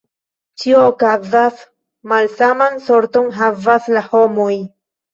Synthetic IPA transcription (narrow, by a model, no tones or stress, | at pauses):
t͡ʃioːkazas | malsamanso̞ɾto̞nɦavaslaho̞mo̞j